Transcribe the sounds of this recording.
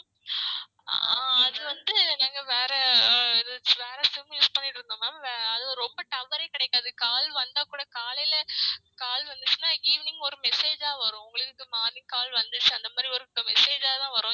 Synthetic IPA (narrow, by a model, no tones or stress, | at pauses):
a̰ːɐðɯʋɐnd̪ɯnaːŋɡɐʋeːɾɛɪðɯʋeːɾɛsɪmjuːspɐɳːɪʈːɾɯnd̪omaːɐðɯɾɔmbɐʈ̪ɐʋɐɾɐɪkɐɽɛkːaːðɯkaːlʋɐnd̪aːkuːɽɐkaːlɪlɐkaːlʋɐnd̪ɯt͡ʃːɯnaːiːʋɪnɪŋɡɔɾɯmɛseːd͡ʒaːʋɐɾʊ̃ʊŋɡɐɭɯkːɯmaːðɪ̃ŋkaːlʋɐnd̪ɯt͡ʃːɯɐnd̪ɐmaːd̪ɾiɔɾɯmɛseːd͡ʒaːt̪ãːʋɐɾʊ̃ː